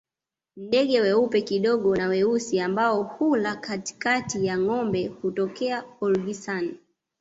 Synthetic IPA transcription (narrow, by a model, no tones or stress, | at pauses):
ndɛɠɛwɛupɛkiɗɔɠɔnawɛusiambaɔhulakati̥katijaŋɔmbɛhutɔkɛaɔlɡisani